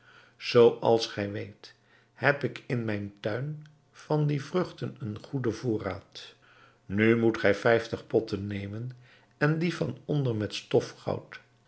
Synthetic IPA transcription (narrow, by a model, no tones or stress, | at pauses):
z̥owʔɑlˠsχɛjʋejt | hɛpɪkɪnmɛjntœɥn | v̥ɑndivrɵχtənənχudəvʊːraːt | nymutχɛjfɛjftəχpɔtənːejmən | ɛndivɑnɔndərmɛtstɔfχɑ̰wt